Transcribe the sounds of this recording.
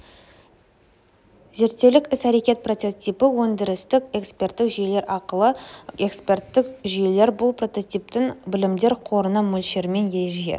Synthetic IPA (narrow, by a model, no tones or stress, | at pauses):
ze̞ɾt̪ːe̞wlɪkʲɪsæɾe̞kʲe̞t̪̚pro̞t̪et̪ijpəwɵnd̪ɪɾɪst̪ɪke̞kspʲe̞rt̪ːɪkʒʏje̞le̞ɾʔɑqəlˠəe̞kspʲe̞rt̪ːɪkʒʏje̞le̞ɾbʊlˠpro̞t̪o̞t̪ip̚t̪ɪŋbɪlɪmd̪e̞ɾqʰo̞ɾənəmɵlʃeɾme̞nje̞ʒijḛ